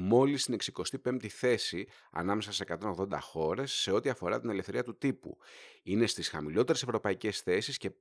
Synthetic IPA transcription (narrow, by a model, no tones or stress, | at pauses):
mo̞list̪ine̞ksiko̞st̪ipe̞mt̪iθe̞si | ɐ̰nɐmesɐssekɐt̪o̞no̞ɣðo̞nd̪ɐ̰xo̞ɾe̞sːe̞o̞t̪iɐfo̞ɾɐt̪ine̞lefθe̞ɾiɐt̪ut̪ipṵine̞st̪isxɐmilo̞t̪e̞ɾesevɾo̞pɐice̞sθe̞sisce̞